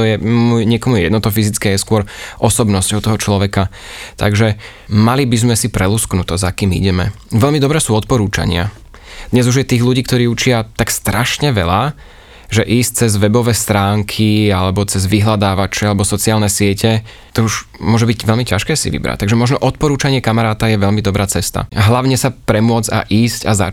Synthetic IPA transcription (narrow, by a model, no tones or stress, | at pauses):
ɔjɛmuːjɲɪɛkɔmujɛjɛd̪nɔt̪ɔfizit͡skɛːjɛskʊɔɾʔɔsɔbnɔscɔɔʊt̪ɔɦɔt͡ʃlɔʋɛkat̪a̰ɡʒɛ | malibizmɛsipɾɛlusknut̪ɔzakiːmḭɟɛmɛ̰ | ʋɛʎmid̪ɔbɾɛːsuːɔt̪̚pɔɾuːt͡ʃa̰ɲɪa̰ | d̪̥ɲɛzuʒjɛt̪iːɣluɟiːk̚t̪ɔɾiːut͡ʃɪat̪akst̪ɾaʃɲɛʋɛla | ʒɛʔiːs̚t͡sɛzʋɛbɔʋɛːst̪ɾaːŋkʰialɛbɔt͡sɛzʋiɦlad̪aːʋat͡ʃɛalɛbɔsɔt͡siaːlnɛsɪɛcʰɛ | t̪ɔuʒmʊɔʒɛbicʋɛlmicaʃkɛːsḭʋḭbɾa̰c̚t̪aɡʒɛmɔʒnɔʔɔt̪̚pɔɾuːt͡ʃaɲɪɛkamaɾaːt̪ajɛʋɛʎmid̪ɔbɾaːt͡sɛst̪a̰ɦlaʊɲɛsapɾɛmʊɔd͡za̰ʔiːscaza̰